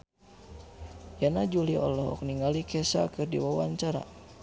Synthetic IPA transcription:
janad͡ʒuliɔ̰lɔɦɔ̰k̚niŋalikʰɛsa̰kɨrdḭwawaɲt͡ʃaɾa̰

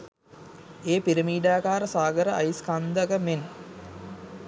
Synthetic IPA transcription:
eːpiɾəmiːɖaːkaːɾəsaːɡəɾəajiskand̪əɡəmen

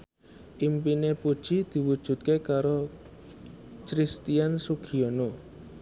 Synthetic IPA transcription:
ʔimpinepud̥ʒ̥id̪̥i̤wud̥ʒ̥ṳt̪̚kekaɾo | t͡ʃɾist̪iansuɡ̥ʰiono

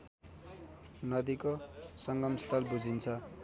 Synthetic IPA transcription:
nʌd̪ikosʌŋɡʌmst̪ʰʌlbud͡zʱint͡sʰʌ

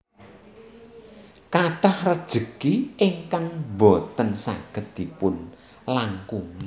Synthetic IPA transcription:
kaɖahrəd̥ʒ̥ə̤kiɪŋkaŋbot̪ənsa̰ɡ̥ə̤t̪̚d̪̥ipʊn | laŋkuŋi

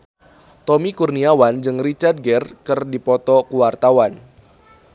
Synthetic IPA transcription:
t̪ɔmikurniawand͡ʒɨŋrit͡ʃard̚ɡɛrkɨrdipɔt̪ɔkuwart̪awan

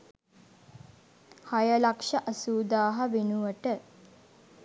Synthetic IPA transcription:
hajəlakʂɐʔɐsuːd̪aːɦɐʋenuʋəʈə

